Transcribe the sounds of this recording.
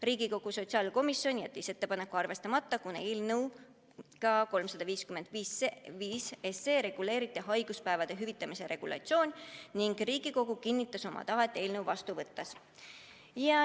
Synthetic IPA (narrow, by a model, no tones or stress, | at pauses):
riːɡ̥iko̞ɡ̥uso̞t̪siɑːlko̞misjo̞nʲijæt̪ːise̞t̪ːe̞pɑne̞kːˑuɑrve̞st̪ɑmɑt̪ːɑkunelnəw | kɑko̞lmsɑd̪ɑviːskyme̞nd̪̥viːsviːseseːɾe̞ɡ̥ule̞ːɾit̪ːˑeɦɑjɡ̥uspæevɑd̪̥e̞ɦyvit̪ːˑɑmise̞ɾe̞ɡ̥ulʔɑ̰t̪sio̞ːnʲniŋɡ̥riːɡ̥iko̞ɡ̥ukinːit̪ːˑɑso̞mʔɑ̰t̪ɑet̪ːˑelnəwvɑst̪uvɤt̪ːɑs | jɑ